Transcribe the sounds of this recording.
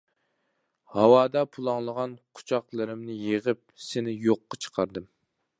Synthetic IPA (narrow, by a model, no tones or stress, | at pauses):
hɑwɑːd̪ɑpʰulˠɑŋlˠəʁɑnqʰʊ̥t͡ʃʰɑqlˠɨɾɪmnɪjeʁɨp̚sɪnɪjoqːɑt͡ʃʰə̥qʰɑɾd̪ɨm